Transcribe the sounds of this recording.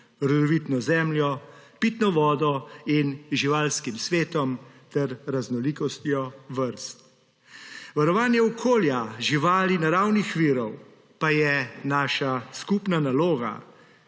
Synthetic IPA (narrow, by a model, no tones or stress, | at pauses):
ɾɔd̪ɔʋit̪nɔzɛːmljɔpiːt̪nɔʋɔːd̪ɔinʒiʋaːlskimsʋeːt̪ɔmt̪ɛɾɾaznɔlikɔst̪jɔʋəɾst̪̚ | ʋaɾɔʋaːnjɛɔkʰoːljaʒiʋaːlinaɾawnixʋiːɾɔw | pajɛnaːʃaskupnanaloːɡa̰